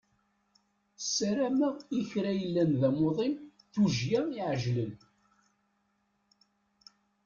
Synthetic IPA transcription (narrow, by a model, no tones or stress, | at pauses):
sːæɾæmæiçɾæjəlːænðæmoðˤim | θuʒjæmiʕʒlən